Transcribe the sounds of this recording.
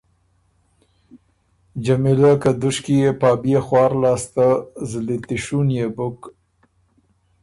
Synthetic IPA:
d͡ʒamilakad̪ʊʃkijepɑːbjexwɑːɾlɑːst̪azlit̪ɪʃunjebʊk

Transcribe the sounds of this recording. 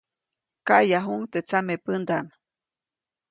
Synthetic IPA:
kaʔjaɦuŋt̪et͡samepənd̪am

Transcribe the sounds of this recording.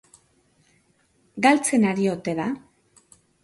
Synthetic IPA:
ɡalt͡se̞naɾio̞t̪e̞ða

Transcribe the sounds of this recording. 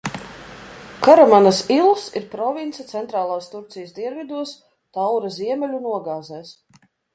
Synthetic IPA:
kaɾamanasilˠsiɾpɾɔvint̪sat̪sɛnt̪ɾaːlˠaːst̪uɾt̪sijəsd̪iɛnvʲid̪uɔs | t̪awɾaziɛmɛlʲunuɔɡaːzɛːs

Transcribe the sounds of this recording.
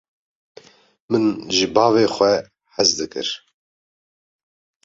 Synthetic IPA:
mɨnʒɨbɑːveːxʷɛ | ħazd̪ɨkɨ̰ɾ

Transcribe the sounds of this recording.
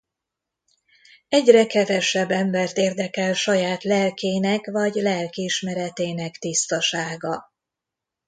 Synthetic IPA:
ɛɟrɛkɛvɛʃɛbːɛmbɛrt̪eːrd̪ɛkɛlʃɒjaːt̪lɛlkeːnɛkvɒɟlɛlkiiʃmɛɾɛt̪eːnɛkt̪ist̪ɒʃaːɡɒ

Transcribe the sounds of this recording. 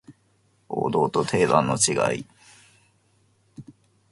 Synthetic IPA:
o̰ːd̪o̞ːt̪o̞t̪ʰe̞ːd̪ãnːo̞t͡ɕiɡa̰i

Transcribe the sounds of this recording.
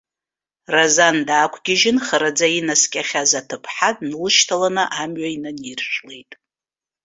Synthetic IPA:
razandaːkʷʰɡʲɪʒɪnχəɾad͡zainaskʲʼaχʲazatʰɨpʰħadʼnlɨʃtʰalanɨʔamɥainanirʂʷᶣlejtʼ

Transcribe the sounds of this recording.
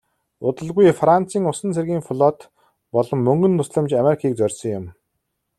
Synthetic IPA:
ʊt̪ə̆ɮɣujfran̥t͡siːŋʊsə̆nt͡sʰerɣʲiːŋfʊɮɔːt̪ | pɔɮɞ̆mːɵŋɡɵ̆nt̪ʰʊsɮə̆mt͡ɕameɾikʰiːk̚t͡sœrʲsɞ̆ŋjʊm

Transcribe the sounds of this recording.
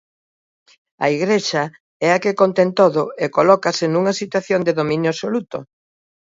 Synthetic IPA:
ɐ̰iɣɾeʃɐ | ɛɐkekont̪ɛnt̪oðʊekolɔkɐsɪnuŋɐsit̪waθjond̪eðomĩnjʊasolut̪o

